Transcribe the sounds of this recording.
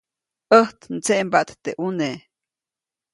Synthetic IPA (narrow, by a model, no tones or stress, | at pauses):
əht̪nt͡seʔmbaʔt̪t̪eʔune